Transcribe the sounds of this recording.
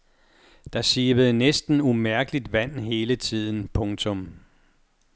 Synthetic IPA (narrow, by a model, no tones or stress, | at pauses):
d̥ɑ̈ɕiːb̥əð̩ˠnesd̥n̩umæɐɡ̥əlid̥ʋæn̰ɦe̝ːlət͡sʰið̞̰ˠn̩pʰɔ̽ŋt͡sʰɔ̽m